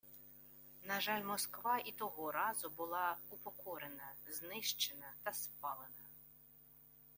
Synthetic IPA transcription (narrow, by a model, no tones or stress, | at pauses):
nɐʒɑlʲmɔskʋɑit̪ɔɦɔɾɑzʊbʊlˠɑupɔkʰɔɾenɐznɪʃt͡ʃenɐt̪ɐspɑlˠenɐ